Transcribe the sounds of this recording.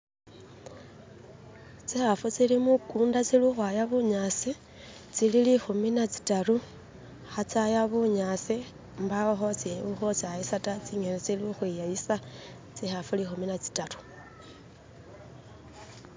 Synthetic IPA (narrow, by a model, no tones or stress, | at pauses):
t͡sixafut͡silimukuːndat͡siluxwajaβuɲasi | t͡sililixuminat͡si̥taɾu | xat͡sajaβuɲasi | mbaoxot͡siuxot͡saisatat͡siŋenet͡siluxwijaisa | t͡sixafulixuminat͡si̥taɾu̥